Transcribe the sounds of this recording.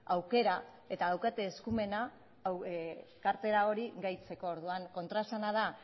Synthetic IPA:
awke̞ɾa | e̞t̪aðawkat̪e̞ːskume̞na | kaɾt̪e̞ɾao̞ɾiɣajt͡se̞ko̞ːɾðuaŋko̞nt̪ɾasanað̞a

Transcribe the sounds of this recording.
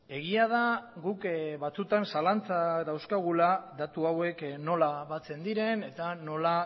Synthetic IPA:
e̞ɣiað̞aɣukβat͡sut̪ansalant͡sad̪awskaɣ̞ulad̪at̪uawe̞kno̞laβat͡se̞nd̪iɾe̞ne̞t̪ano̞la

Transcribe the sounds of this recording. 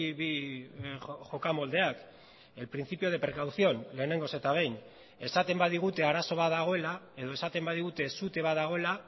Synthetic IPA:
βi | xo̞kamo̞ld̪e̞ak | e̞lpɾinθipio̞ð̞e̞pɾe̞kawθio̞nle̞ːne̞ŋɡo̞se̞t̪aβe̞jn | e̞sat̪e̞mbaðiɣ̞ut̪e̞aɾaso̞β̞aðaɣ̞o̞e̞lae̞ð̞o̞esat̪e̞mbaðiɣ̞ut̪e̞sut̪e̞βaðaɣ̞o̞e̞la

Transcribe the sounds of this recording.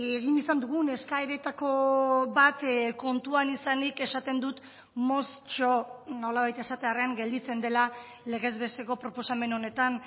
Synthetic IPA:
e̞ɣinisand̪uɣ̞une̞skaeɾe̞t̪ako̞βat̪ko̞nt̪uanisanike̞sat̪e̞nd̪ut̪ | mo̞st͡ʃo̞no̞laβajt̪e̞sat̪e̞areaŋɡe̞ld̪it͡se̞nd̪e̞la | le̞ɣ̞e̞zβe̞st̪e̞ko̞pɾo̞po̞same̞no̞ne̞t̪an

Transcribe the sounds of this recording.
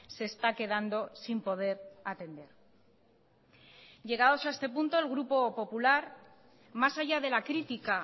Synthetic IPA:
se̞ːst̪ake̞ðand̪o̞simpo̞ð̞e̞ɾat̪e̞nd̪e̞ɾ | ɟ͡ʝe̞ɣ̞aðo̞sae̞st̪e̞punt̪o̞elɣɾupo̞po̞pulaɾ | masaʝað̞e̞lakɾit̪ika

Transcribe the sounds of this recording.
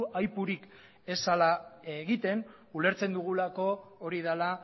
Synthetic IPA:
ajpuɾik | e̞salaeɣit̪e̞n | ule̞ɾt͡se̞nd̪uɣ̞ulako̞ːɾið̞ala

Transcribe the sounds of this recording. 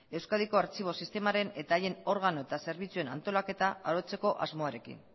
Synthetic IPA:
e̞wskaðiko̞aɾt͡ʃiβ̞o̞sist̪e̞maɾe̞ne̞t̪aːje̞no̞ɾɣ̞ano̞e̞t̪ase̞ɾβ̞it͡sue̞na̰nt̪o̞lake̞t̪aaɾo̞t͡se̞ko̞ʔa̰zmo̞aɾe̞kḭn

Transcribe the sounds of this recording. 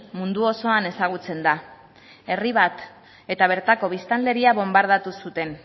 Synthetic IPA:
mund̪uo̞so̞ane̞saɣ̞ut͡se̞nd̪a | e̞riβat̪ | e̞t̪aβ̞e̞ɾt̪ako̞β̞ist̪anle̞ɾiaβo̞mbaɾð̞at̪usut̪e̞n

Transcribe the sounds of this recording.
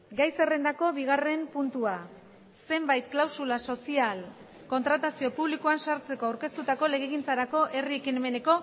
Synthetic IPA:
ɡajse̞re̞nd̪ako̞βiɣ̞are̞mpunt̪ua | se̞mbajt̪̚klawsulaso̞sial | ko̞nt̪ɾat̪asio̞puβlikuansaɾt͡se̞ko̞awɾke̞st̪ut̪ako̞le̞ɣeɣ̞int͡saɾako̞ʔe̞rie̞kine̞me̞ne̞ko̞

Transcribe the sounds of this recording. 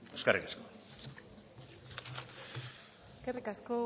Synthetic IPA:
eskerikasko | eskerikasko

